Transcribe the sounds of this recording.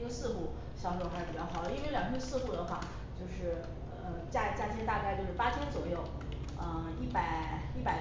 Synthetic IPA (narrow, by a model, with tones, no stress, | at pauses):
jo˥˧sɹ̩˥˧xu˥˩ | ɕjɑ˧˥ʊo˧˩xi˨˩jɑ˥xɑ˨˩ʊd̪ə˦i˥nwe˥˧ɪljɑ˨˩ŋʰə˥sɹ̩˥˧xu˥˩d̪ə˩˦xwa̰˥˧ | t͡ɕjo˥˧ʊʂɻ̩˥˩ | ə˧t͡ɕja˥˩t͡ɕja˥˩t̪ʰjɛ˧˥nt̪a˥˧ka˥˧ɪt͡ɕjo˥˧ʊʂɻ̩˥˩pa˥t͡ɕʰjo˥ʊt͡swɔ˨˩jo˥˩ʊ | ə˧i˥˩pa˨˩ɪi˥˩pa˨˩ɪ